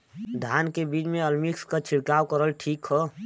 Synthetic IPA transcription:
d̪ʱaːnkebiːt͡ʃmẽəlmikskat͡ʃʰɪɽkaːwkəɾəlʈʰiːkɦɛ

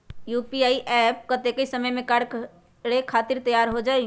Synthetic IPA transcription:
juːpiaːiʔɛp̚kət̪ekəisəməjmẽkaɽ | ɽekʰaːt̪ɪɾt̪əjaːɾɦod͡ʒaːe

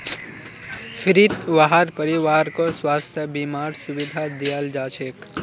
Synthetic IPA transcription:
fʰɪɾit̪ʋaɦaɾpəɾiʋaːɾkoswaːst̪ʰjəbimaːɾsʊʋɪd̪ʱad̪ijald͡ʒaːt͡ʃʰeːk

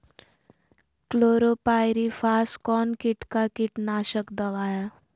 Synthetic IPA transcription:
kloːɾopaːjɾifʰaːskɔːnkɪʈkakɪʈnaːʃəkd̪əʋaːja

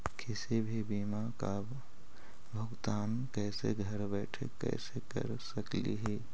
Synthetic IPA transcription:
kʰɪsebʱibiːmaka | bʱəɡt̪aːn | kɛːsḛɡʱəɾbɛːʈʰḛkɛ̰ːsekə̰ɾsəklḭɦɛː

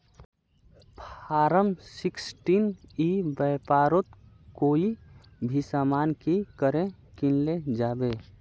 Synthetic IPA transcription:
pʰaːɾəmsɪksʈinibəpaːɾot̪ | koːi | bʱisamaːnkikəɾẽ | kinled͡ʒaːbe

